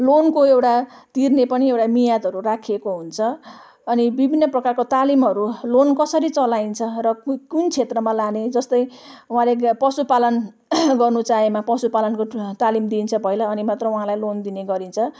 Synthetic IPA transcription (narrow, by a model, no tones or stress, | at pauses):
lonkoewʈat̪irnepʌniewʈamijat̪ɦʌɾurakʰekoɦunt͡sʰʌː | nibibʱinːʌprʌkarkot̪alimɦʌɾulonkʌsʌɾit͡sʌlaint͡sʰʌrʌkkunt͡sʰet̪rʌmãlaned͡zʌst̪ʌjuɦãlepʌsupalʌn | ɡʌrnut͡saɦemapʌsupalʌnkot̪alimd̪int͡sʰʌbʱʌjlaːnimat̪rʌuɦãlajlond̪ineɡʌɾint͡sʰʌ